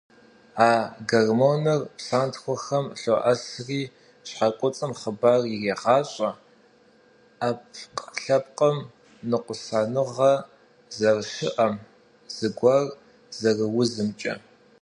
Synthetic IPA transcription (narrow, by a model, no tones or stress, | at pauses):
aːɡɐrmonɐrpsaːntxʷɔxɐmɬoʔɐsriː | ɕħakʷʼʊt͡sʼɨmχəbaːrjɪreːʁɑːɕʼɐ | apʰqɬɐp̚qʼɐm | nɨqʷʊsaːnɨʁɐ | zɐrʃɪʔɐm | z̥ɨɡʷɐr | zɐrɨwʊzɨmt͡ʃʼɐ̰